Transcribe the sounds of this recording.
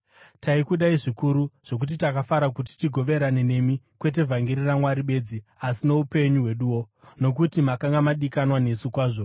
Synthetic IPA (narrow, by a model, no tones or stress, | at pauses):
taikuɗaiʐikuɾuʐ̥o̞k̬ut̬itakafaɾak̬ut̬i̥tiɡʱo̞ʋe̞ɾane̞ne̞mi | kwe̞t̬e̞vʱaŋɡiɾiramwaɾiɓe̞d͡ziasino̞upe̞ɲuɦwe̞ɗuwo̞ | no̞k̬utimakaŋɡamaɗikanwane̞sukwaːʐo